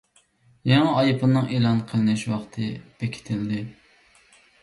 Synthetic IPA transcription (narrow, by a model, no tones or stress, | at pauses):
jɑŋæɑjpʰɨnnːɨŋelˠɑnqʰəlˠɨnɪʃwɑχt̪ʰɨb̥ekʲʰi̥t̪ʰɪld̪ɪ